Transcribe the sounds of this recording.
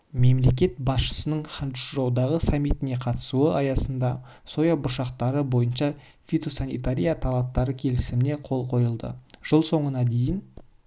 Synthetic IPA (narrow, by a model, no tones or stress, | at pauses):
me̞mle̞k̬ʲe̞t̪̚bɑsʃə̥sənəɴχɑnt̪ʏʃɾɑwd̪ɑʁəsamːijt̪ɪne̞qʰɑt̪ə̥suəʔɑjɑsənd̪ɑ | so̞jabʊɾʃɑqt̪ɑɾəbo̞jənʃɑ | fit̪o̞sanijt̪aɾʲijat̪ʰɑlˠɑp̚t̪ːɑɾəkʲʰe̞lɪsɪmɪne̞qʰo̞lˠqʰo̞jəlˠd̪ə̰ʒ̥əlˠso̞ɴənɑd̪e̞jɪn